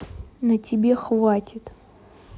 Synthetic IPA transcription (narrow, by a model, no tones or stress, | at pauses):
nɐtʲibʲe̞χvatʲʰɪt